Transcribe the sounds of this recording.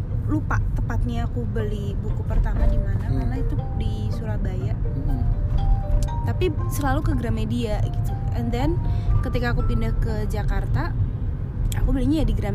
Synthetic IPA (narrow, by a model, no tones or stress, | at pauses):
lupaʔt̪əpat̪̚ɲaːkubəlibukupərt̪amadimanakarnait̪udisuɾahbajaʔ | t̪apisəlalukəɡəɾamediaɡit̪uɛnd̪ɛnkət̪ikaːkupindahkəd͡ʒakart̪a | akubəliɲajadiɡəɾam